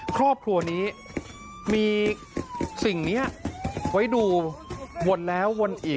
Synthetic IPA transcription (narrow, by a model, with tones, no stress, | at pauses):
kʰɾɔː˥˩p̚kʰɾu˧ɐniː˦˥ | miː˧ | si˨˩ŋniː˦˥ɐʔwa˦˥jduː˧wo˧˩nlɛː˦˥wːo˧nʔiː˨˩